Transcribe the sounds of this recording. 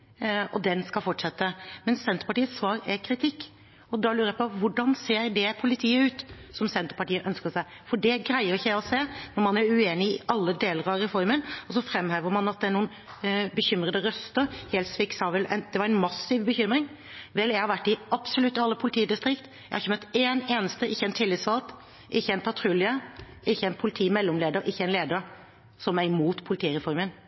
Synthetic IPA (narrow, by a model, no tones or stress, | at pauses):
ɔ̰d̪ɛnskɑlfɔʈʂɛt̪ːəmɛnssɛnt̪əɾəpɑʈiːət̪sːʋɑːɾækʰɾɪt̪ʰɪkː | ɔd̪ɑlʉːɾəjæɪpɔʋʊɖɑnseːɾd̪ɛpʰʊlɪt̪ʰiːəʉːt̪sɔmsɛnt̪əɾpɑʈiːəʔœnskəsæɪ | fɔɖɛɡɾæɪəɾɪçəjæɪɔseːnɔɾmɑnæɾʉeːnɪɪ̰ʔɑlːəd̪eːləɾɑɾɛfɔɾmənɔsɔfɾɛmheːʋəɾmɑnɑt̪̚d̪ɛæɳuːn | bəçʏmɾəd̪əɾœst̪əɾheːlt̪sʋɪksɑʋɛlɛ̰nd̪̥ɛʋɑɾɛnmɑsːɪʋbəçʏmɾɪŋ | ʋɛljæɪhɑɾʋæʈːɪɑb̥sɔlʉt̪ːɑlːəpʰʊlɪt̪ʰiːd̪ɪst̪ɾɪkt̪ | jæɪhɑɾɪçəmœt̪ːeːneːnəst̪əɪçːɛɪnt̪ʰɪlːɪt̪sfɑlt̪ | ʔɪçːəɛɪnpʰɑt̪ʰɾʉlɪə | ɪçːəɛɪnpʰʊlɪt̪ʰiːmɛlːɔmleːd̪əɾʔɪçːəæɪnleːd̪əɾ | sɔmæɾmuːt̪pʰʊlɪt̪ʰiːɾɛfɔɾmən